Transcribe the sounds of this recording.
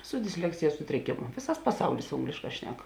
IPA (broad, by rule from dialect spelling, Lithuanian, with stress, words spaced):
sʊ dʲɪsʲˈlʲæːksʲɪjɛs ˈsʊtʲrʲɪkʲeːmʊ ˈʋʲeːsɐs pɐˈsɐʊlʲɪs ˈoːŋɡlʲeːʃˌkɑː ˈʃʲnʲɛk